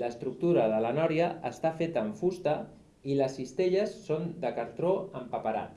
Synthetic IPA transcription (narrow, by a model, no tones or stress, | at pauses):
ləst̪ɾuk̚t̪uɾəðələnɔɾjəːst̪afet̪əːɱfust̪ə | iləsist̪eʎəsːond̪əkəɾt̪ɾoəmpəpəɾa̰t̪